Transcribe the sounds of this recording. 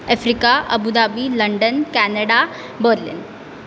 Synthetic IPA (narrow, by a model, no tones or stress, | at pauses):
əfɾikaʔəbud̪abiləɳɖənkænəɽa | bəɾlḭn